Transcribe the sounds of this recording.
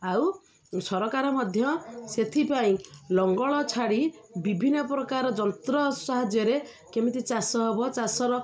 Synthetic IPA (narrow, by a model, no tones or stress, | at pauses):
aw | sɔɾɔkaɾɔmɔd̪ʱjɔset̪ʰipaĩlɔŋɡɔɭɔt͡ʃʰaɽi | bibʱinːɔpɾɔkaɾɔd͡ʒɔnt̪ɾɔsaɦad͡ʒjɔɾe | kemit̪it͡ʃasɔɦebɔt͡ʃasɔɾɔ